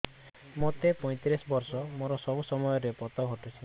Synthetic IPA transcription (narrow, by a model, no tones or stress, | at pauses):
mot̪epɔj̃t̪ɾisɔbɔɾsɔmoɾɔsɔbusɔmɔjɔɾepɔt̪ɔɡʱɔʈesʰi